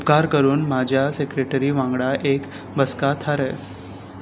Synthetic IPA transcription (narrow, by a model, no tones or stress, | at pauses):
upkaɾkəɾuːnmad͡ʑʱjasekɾeʈəɾiʋãŋɡɽaʔek | bəskat̪ʰaɾə